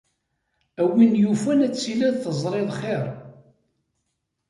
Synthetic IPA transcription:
æwinjufænæt͡sːilæðθəzˤɾˤeðˤχeɾˤ

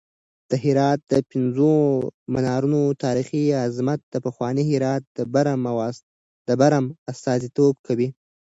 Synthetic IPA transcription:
d̪̥əɦɪɾɑt̪̚d̪əpɪnzomanɑɾunot̪ɑɾixiazmat̪̚d̪̥əpaxwɑniɦɪɾɑt̪̚d̪əbaɾamaw | d̪̥əbaɾamast̪ɑzit̪ob̚kʰawi

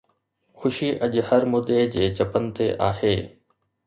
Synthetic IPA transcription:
xʊʃiʔɐʄhɐɾmʊd̪ed͡ʑeːt͡ɕɐpən̆t̪eʔaːheː

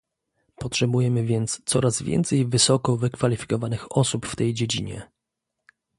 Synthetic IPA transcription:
pɔtʂɛbujɛmɘvʲjɛnt̪st̪sɔɾazvʲjɛ̰nt̪sɛjvɘsɔkɔvɘkfalʲifʲi̥kɔvanɘxɔsupft̪ɛjd͡ʑed͡ʑḭɲɛ̰

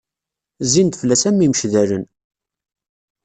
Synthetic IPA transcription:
zint̪flːæsæmːiməʃðæɾən

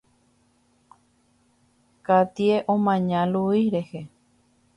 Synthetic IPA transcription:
kat̪ieʔõmãɲãluiɾehe

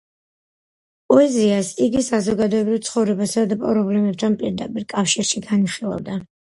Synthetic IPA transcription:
pʼɔɛziasiɡisazɔɡad̪ɔɛbɾivt̪sʰχɔvɾɛbasad̪apʼɾɔblɛmɛp̚t̪ʰanpʼiɾd̪apʼiɾkʼafʃiɾʃiɡaniχilˠa̰vd̪a

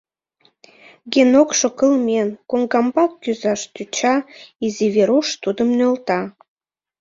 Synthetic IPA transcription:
ɡenokʃokəlmʲenkoŋɡɑmbɑkːyzɑʃt̪yt͡ɕɑiziβeɾuʃt̪ud̪əmnølt̪ɑ

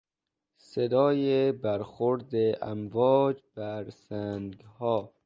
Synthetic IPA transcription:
sed̪ɒːjebæɾxoɾd̪eʔæ̰mvɒːd͡ʒbæɾsæŋɡhɒː

